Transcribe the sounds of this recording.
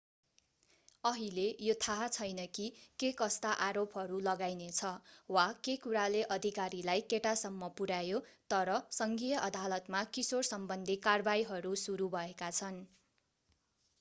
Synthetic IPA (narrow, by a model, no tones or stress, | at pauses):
ʌɦilejot̪ʰat͡sʰʌjnʌkikekʌst̪aʔaɾopɦʌɾulʌɡajnet͡sʰʌwakekuɾaleʔʌd̪ʱikaɾilajkeʈasʌmːʌpuɾajot̪ʌɾʌsʌŋɡijʌʔʌd̪alʌt̪makisorsʌmbʌnd̪ʱikarbajɦʌɾusuɾubʱʌekat͡sʰʌn